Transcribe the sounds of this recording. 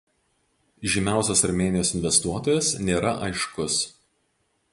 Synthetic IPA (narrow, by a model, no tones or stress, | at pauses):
ʒʲɪmʲæˑʊsʲɐsɐɾmʲeːnʲɪjoːsɪnʲʋʲɛst̪uɔt̪oːjɛsnʲeːɾɐʔɐɪʃkʊs